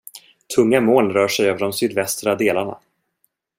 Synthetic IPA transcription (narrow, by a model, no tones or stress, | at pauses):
t̪ʰɵŋːamoːlɾœːʂɛjøːvɖɔmsyːd̪vɛst̪ɾad̪eːlaɳa̰